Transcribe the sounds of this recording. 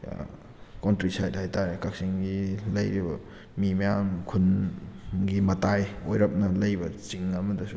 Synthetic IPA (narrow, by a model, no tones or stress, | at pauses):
kontɾisajdhajtaɾekak̚siŋɡilɐjɾibɐ̰ | mimɐjamkʰun | ɡimɐtajojɾɐp̚nɐlɐjbɐt͡ʃiŋɐmɐdɐsu